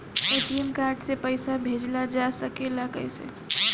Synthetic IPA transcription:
eʈiəmkaɾɖsepəjsabʱed͡ʒlad͡ʒasəkeləkə̰jsḛ

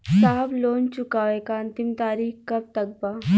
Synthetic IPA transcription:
saːblont͡ɕukaʋekaənt̪imt̪aːɾixkəp̚t̪əɡ̚ba

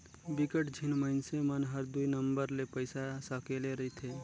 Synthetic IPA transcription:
bɪkəʈd͡ʒʱɪnməɪnsemənɦəɾd̪uinə̃mbəɾlepəɪsasakeːleɾɐit̪ʰeː

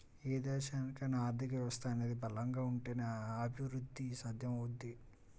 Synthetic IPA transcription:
eːd̪ɛːʃaːnikɐnaːɾd̪ʱikɐɛʋɐst̪aɐne̞ːd̪ibɐlɐŋɡaːuɳʈeːnɐɐbʱiʋɾud̪ʱːisad̪ʱjɐmud̪ːi

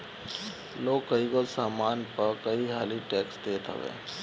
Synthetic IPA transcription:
loːɡkɐiɡosaːmaːnpɐɾkɐiɦaːliʈɛːksd̪eːt̪ɦə̰ʋḛ̃ː

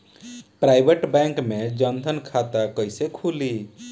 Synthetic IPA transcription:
pɾajbeʈbɛ̃ŋkmed͡ʒənd̪ʱənkʰat̪akəjsekʰuli

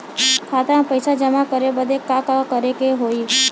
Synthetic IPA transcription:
kʰat̪ãpəjsad͡ʒəmakəɾebəd̪ekakakəɾekeɦoi

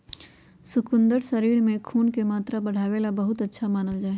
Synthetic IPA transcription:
sʊkʊ̃nd̪əɾsɐɾiːɽmẽkʰuːnkemaːt̪ɾabɐɽ̤aːʋeːlabɐɦʊt̪ɐtːʃʰamaːnəld͡ʒaːe

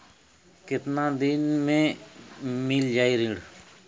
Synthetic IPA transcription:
kɪt̪nãːd̪ɪnmẽː | mɪːld͡ʒaːiːɾɪ̃ːɽ

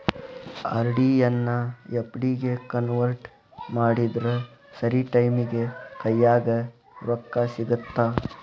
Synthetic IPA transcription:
ɐ̰ɾɖijɐnːɐjepːɽiɡekɐnʋɐɾʈ | maːɽid̪ɾu | sɐɾiʈɐjmiɡekɐjːaːɡɐ | ɾɔkːasiɡut̪ːa

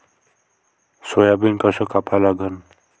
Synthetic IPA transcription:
sojabinkʌsɔkapʰalaɡʌn

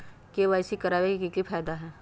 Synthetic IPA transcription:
keʋaːɪsikɐɾaːʋekkikifʰaːd̪aɦɛː

